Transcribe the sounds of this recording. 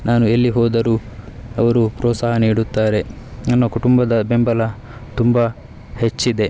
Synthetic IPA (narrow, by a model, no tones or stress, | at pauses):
naːnuelːiɦɔːd̪ɐɾuːɐʋɐɾupɾɔːt̪saːɦɐniːɽut̪ːaːɾe̞ | nɐnːɐkuʈumbɐd̪ɐbe̞mbɐlɐ | t̪umba | he̞t͡ʃːid̪e̞